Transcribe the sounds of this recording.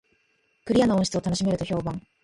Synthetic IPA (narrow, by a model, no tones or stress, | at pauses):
kɯ̟ɾʲijanoõɕi̥t͡sɨo̞t̪ano̞ɕime̞ɾɯ̟t̪o̞çʲo̞ːbãŋ